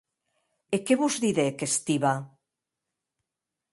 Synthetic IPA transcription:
ekeβuzðiðekest̪iβa

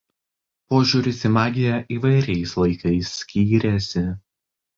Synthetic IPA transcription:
poːʒʲuːɾʲɪsʲɪmɑːɡʲɪjɛʔiːʋɐɪɾʲɛɪslˠɐɪkɐɪsʲːkʲiːɾʲɛsʲɪ

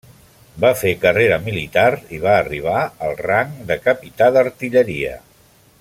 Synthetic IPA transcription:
bafekəreɾəmilit̪aɾiβaːriβ̞aəlˠraŋd̪əkəpit̪aðəɾt̪iʎəɾiə̰

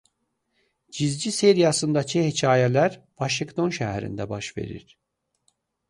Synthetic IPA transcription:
d͡ʒizd͡ʒiseɾijasɯnd̪at͡ʃʰihet͡ʃʰaːjelʲæɾ | vaʃiŋkt̪ʰo̞nʃɛɦæɾḭnd̪ɛbaʃve̞̰ɾḭɾ̥

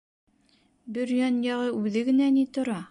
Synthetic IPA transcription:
bɘɾjɑnjɑʁɤʔʉðɘɡɘ̆nænit̪ŏɾɑ

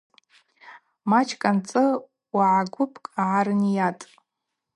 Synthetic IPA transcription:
mat͡ʃʰkʼant͡sʼɨ | waʕaɡʷʊpʰʼkʼaʕaɾɨnjatʼ

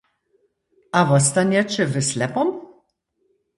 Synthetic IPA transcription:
avɔst̪anjat͡ʃəvəslɛpɔm

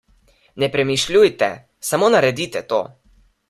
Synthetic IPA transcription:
nɛpɾɛmiʃlʲujt̪ɛ̰ | samonaɾɛd̪it̪ɛt̪oː

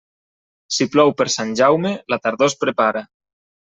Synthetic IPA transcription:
siplɔwpeɾsanʲʒawmelat̪aɾðospɾepaɾa

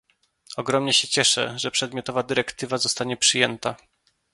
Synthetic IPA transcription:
ɔɡɾɔmɲɛɕɛt͡ɕɛʂɛ̰ʐɛpʂɛd̪mʲjɔt̪ɔvad̪ɘɾɛkt̪ɘvazɔst̪aɲɛpʂɘjɛnt̪a

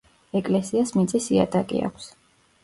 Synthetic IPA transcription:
ɛkʼlɛsiasmit̪sʼisia̰d̪ʼakʼḭa̰kʷʰs

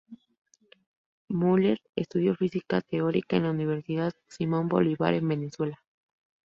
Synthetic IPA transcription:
muleɾḛst̪uðjo̞fisikat̪eoɾikaḛnlauniβe̞ɾsiðaðsimõ̞mbo̞̰liβa̰ɾe̞mbe̞ne̞swe̞la

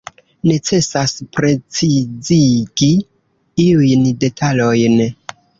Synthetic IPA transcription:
ne̞t͡se̞saspɾe̞t͡siziɡi | iujnde̞tʰalo̞jn

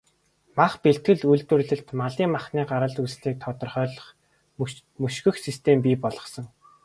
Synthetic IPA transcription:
maχpeɬt̪ɡɘ̆ɮujɮt̪wɘ̆rɮɘ̆ɬt̪maɮiːŋmaχniːɢaɾə̆ɮt̪usɮiːk̚t̪ʰɔt̪ɞ̆rχœːɮɞ̆χ | mɵʃɡɵ̆xsist̪ʰempiːpɔɮɞ̆sɞ̆ŋ

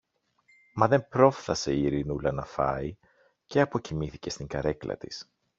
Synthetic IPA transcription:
mɐðe̞mpɾo̞fθɐse̞iiɾinulɐnɐfɐi | ce̞ɐpo̞cimiθice̞st̪iŋɡɐɾe̞klɐ̰t̪i̥s

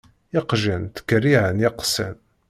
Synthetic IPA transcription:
ɪqʒənt̪ə̥kːərːiʕənjɪqsæn

